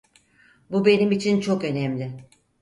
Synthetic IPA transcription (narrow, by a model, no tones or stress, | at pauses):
bube̞nimit͡ʃʰint͡ʃʰo̞kø̞nɛmlʲɪ